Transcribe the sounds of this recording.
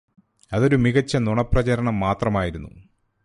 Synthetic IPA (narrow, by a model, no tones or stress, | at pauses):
ɐðo̞ɾumiɣɐt͡ɕːɐnuɳɐprɐt͡ɕɐɾɐɳɐmːaːt̪rɐmaːjiɾunːṵ